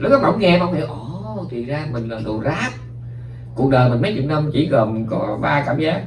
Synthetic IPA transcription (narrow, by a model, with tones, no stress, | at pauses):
lu˦˥k̚kɔ˨˦ma̰˧˩˦wŋ͡mŋɛ˧ɓaː˧wḭ˨˧˨ʔɔ˧˩t̪ʰi˨˩zaː˧mï˨˩ŋ̟laː˨˩t̪ṵ˨˩zaː˦˥p̚ | ku˨˩ək̚ɗəː˨˩jmï˨˩ŋ̟mə˨˦jt͡ɕʊ̰˨˧˩n̚ə˧mt͡ɕḭ˧˩˦ɣə˨˩mkɔ˧˨˩ɓaː˧kaː˧˩mzaː˦˥k̚